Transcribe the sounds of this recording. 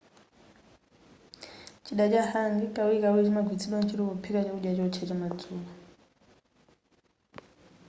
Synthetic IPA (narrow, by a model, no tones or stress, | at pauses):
t͡ʃʰiɗat͡ʃʼahaŋɡikʼawikawit͡ʃimaɡʱwit͡sʰiɗwant͡ʃʰiɾikupʰikat͡ʃauɗjat͡ʃɔt͡ʃʰɛt͡ʃamad͡zuːka